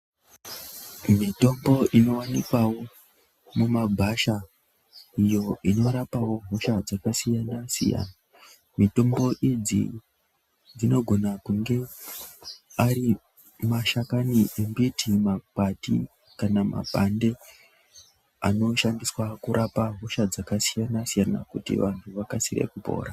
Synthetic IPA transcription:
mito̞mbo̞ʔino̞wanikwawo̞ | mumabʱaʃa | ijo̞ino̞ɾapawo̞ɦoʃad͡zakasijanasḭja̰na | mito̞mbo̞ʔid͡zḭ | d͡zino̞ɡʱo̞nakuŋɡe̞ | aɾi | maʃakaniembitʰimakatḭ | kanama̰pande̞ | a̰no̞ʃandiswakuɾʔapaɦoʃad͡zakasijanasijana̰kutḭʋantʰuʋakasirḛkupo̞̰ːɾa

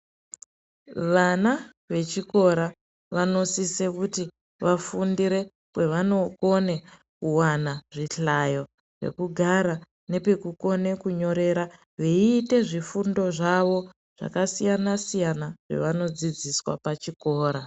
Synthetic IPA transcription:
ʋana | ʋe̞t͡ʃiko̞ɾa | ʋano̞sisekuti | ʋafundiɾe̞ | kwe̞ʋano̞kone | kuwanaʐiɬajo̞ | ʐe̞̰kuɡʱaɾa | ne̞pe̞kuko̞ne̞kuɲo̞ɾe̞ɾa | ʋeiːte̞ʐifundo̞ʐaʋo̞ | ʐ̥a̰kasijanasijanaʐ̥e̞̰ʋano̞d͡zid͡ziswa̰pat͡ʃiko̞ːɾa

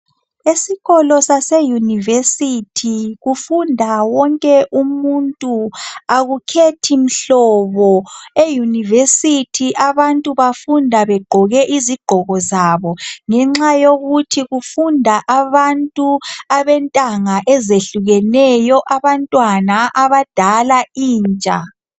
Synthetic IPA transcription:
esiɣɔlɔsasejunivesitʰiɣufundʱawɔŋkʼɛʔumuntʼuaɣukʰetʰim̩ɬɔːβɔejunivesitʰiʔaβantʼuβafundʱaβɛɡ͡ǃʱɔɣɛʔiziɡ͡ǃ̥ʱɔɣɔzaːβɔŋɛŋ͡ǁajoɣutʰiɣufundʱaʔaβantʼuaβɛntʼaŋaʔɛzeɬuɣɛnɛjɔʔaβantʼwanaʔaβad̥ʱalaiːnt͡ʃʼa̰

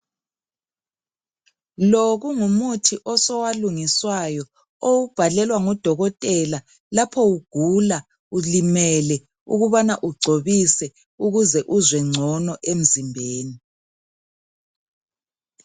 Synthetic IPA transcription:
loɣuŋumutʰiʔɔsɔwaluŋiswajɔ | owub̥ʱalɛlwaŋɔd̥ʱɔɣɔtʼɛla | lapʰɔwuɡ̥ʱula | ulimɛlɛ | ṵɣuβanaʔuɡ͡ǀʱoβisɛ | uɣuzɛʔuzwɛŋ͡ǀʱɔnɔʔem̩zimbʱeːni

